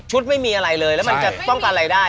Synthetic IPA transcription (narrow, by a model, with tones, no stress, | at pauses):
t͡ɕʰu˦˥t̪̚ma˥˩jmiː˧ʔa˧ɾa˧˩jlɤː˧jlɛː˦˥ma˧nt͡ɕa˨˩pɔ˥˩ŋka˨˧nɾa˧˩jdaː˥˩